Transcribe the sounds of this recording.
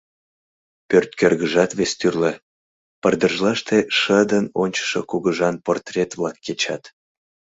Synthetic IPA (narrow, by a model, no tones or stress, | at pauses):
pørt̪̚kørɣəʒɑt̪βest̪yrle | pərd̪əʒlɑʃt̪eʃəd̪ənonʲt͡ɕə̥ʃokuɣəʒɑnport̪rʲet̪vlɑkːet͡ɕɑ̰t̪